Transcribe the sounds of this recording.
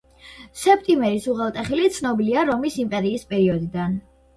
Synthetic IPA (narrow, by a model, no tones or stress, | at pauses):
sɛpʰt̪ʼimɛɾisuʁɛlˠt̪ʼɛχilit̪sʰnɔbiliaɾɔmisimpʼɛɾiːspʼɛɾiɔd̪id̪an